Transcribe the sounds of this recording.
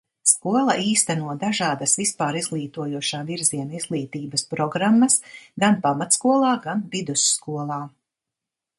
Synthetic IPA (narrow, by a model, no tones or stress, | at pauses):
skuɔlˠɐʔiːst̪anuɔd̪aʒaːd̪ɐsvispaːɾizɡlˠiːt̪uɔjuɔʃaːviɾziɛnaizɡlˠiːt̪iːbɐspɾɔɡɾamːɐsɡanpamat̪skuɔlˠɑːɡanvid̪usːkuɔlˠɑː